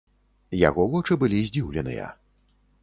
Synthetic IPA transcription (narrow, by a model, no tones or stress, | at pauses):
ja̰ɣɔvɔt͡ʂɨbɨlʲizʲd͡zʲiwlʲɛnɨ̰jɐ̰